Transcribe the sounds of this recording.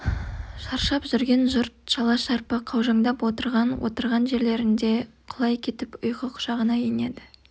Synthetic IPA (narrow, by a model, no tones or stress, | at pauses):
ʃɑɾʃɑpʒʏɾɡʲe̞nʒʊɾt̪̚ʃɑlˠɑʃɑɾpəqʰɑwʒɑŋd̪ɑpwo̞t̪əɾʁɑnwʔo̰t̪əɾʁɑnʒe̞ɾle̞ɾɪnd̪e̞qʰʊlˠɑjkʲʰe̞t̪ɪpʊjqəqʰʊ̥ʒ̥ɑʁənɑjene̞d̪ɪ